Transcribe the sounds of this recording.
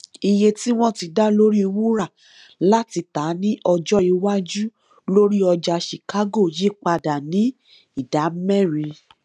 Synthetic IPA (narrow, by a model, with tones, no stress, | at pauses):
i˧je˧ti˦w̃ɔ̃˦˨ti˧da˦lo˦ɾi˦˧wu˦ɾa˦˨ | la˦ti˧ta˨˦nĩ˦ʔɔ˧d͡ʒɔ˦i˧wa˦d͡ʒu˦ | lo˦ɾi˦ɔ˧d͡ʒa˧ʃi˨ka˦ɡo˦˨je˨˦˨k͡pa˧da˨nĩ˨˦ | i˦˨da˨˦mɛ̃˦˨ɾĩ˧